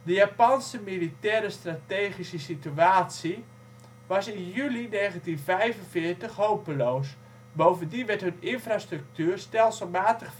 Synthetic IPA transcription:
dəjaːpansəmilitɛːɾəstrateːχisəsityaːtsi | ʋɑsɪnjylineːɣəntinvɛjvənfɪːərtəxɦowpənloːs | bowvəndiʋɛtɦɵnɪnfrastrɵk̚tyːərstɛlˠsəlˠmaːtəχ

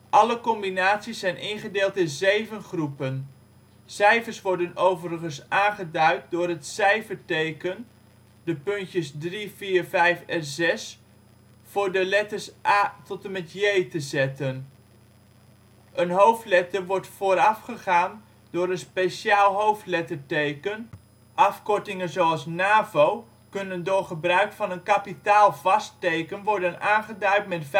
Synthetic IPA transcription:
ʔɑləkɔmbinaːtsisːɛjnʔɪnχədɪːlˠtɪnzejvənχrupən | sɛjfəɹsʋɔɹdənowvərəχənsʔaːnχədœɥt̚dʊːɾɦətsɛjfəɹtejkən | dəpɵntjəsdriv̥iːɹvɛjfɛzɛs | fʊːɹdəlɛtəɹsʔaːtɔtəmɛtjejtəzɛtən | ʔənɦowftlɛtəɹʋɔɹtfoːɾɑfχəχaːn | dʊːɾənspejʃjaːlˠɦowftlɛtəɹtejkən | ʔɑfkɔɹtɪŋənzoɑlˠsnaːvow | kɵnəndʊːrχəbrœɥkfɑnənkapitaːlˠvɑstejkənʋɔɹdənaːnχədœɥtmɛtf

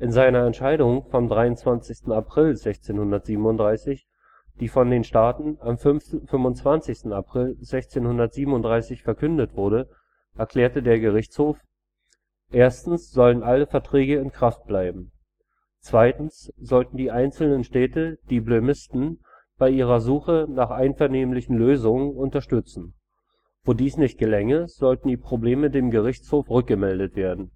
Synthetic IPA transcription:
ʔɪnzaɪnɐɛntʃaɪɾʊŋfɔmdʁaɪʊnt͡sv̥ant͡sɪçstn̩apʁ̥ɪlzɛçt͡seːnhʊndɐtz̥iːbm̩ʊntd̥ʁaɪsɪç | d̥iːfɔndeːnʃtaːtn̩amffʏmvʊnt͡sv̥ant͡sɪçstn̩apʁ̥ɪlzɛçt͡seːnhʊndɐtz̥iːbm̩ʊnd̥ʁaɪsɪçfɛɐkʰʏndətv̥ʊɐɾə | ʔɛɐkʰl̥ɛːɐtədeːɐɡəʁɪçt͡shoːf | ʔeːɐstn̩sz̥ɔlənʔaləfɛɐtʁ̥ɛːɡəɪnkʁ̥aft̚b̥laɪbm̩ | t͡sv̥aɪtn̩sz̥ɔltn̩diːʔaɪnt͡sl̩nənʃtɛːtəd̥iːblømɪstn̩ | b̥aɪʔiːʁ̞ɐzuːxənaːχʔaɪnfɛɐneːmlɪçn̩løːzʊŋənʊntɐʃtʏt͡sn̩ | voːdiːsnɪçt̚ɡ̥əlɛŋəz̥ɔltn̩diːpʁ̥obleːmədeːmɡəʁ̞ɪçt͡shoːfʁʏk̚ɡ̥əmɛldətv̥eːɐdn̩

